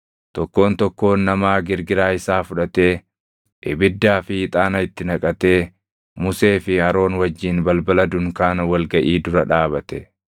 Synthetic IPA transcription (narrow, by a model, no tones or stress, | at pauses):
t̪ɔkːo̞ːnt̪ɔkːo̞ːnːɐmaːɡɪɾɡɪɾaːɪsaːfʊᶑɐt̪e̞ː | ʔɪbɪd̪ːaːfɪɪt̪ʼaːnɐɪt̪ːɪnɐkʼɐt̪e̞ː | mʊse̞ːfɪɐɾo̞ːnwɐd͡ʒːiːnbɐlbɐlɐd̪ʊŋkaːnɐwɐlɡɐʔiːd̪ʊɾɐᶑaːbɐt̪ɛ